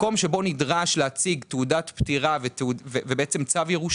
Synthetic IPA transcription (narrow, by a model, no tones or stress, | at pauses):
ko̞mʃe̞bo̞nidʁaʃleat͡siɡt̪eudat̪pt̪iʁavetuvevebeet͡semt͡savjeʁuʃ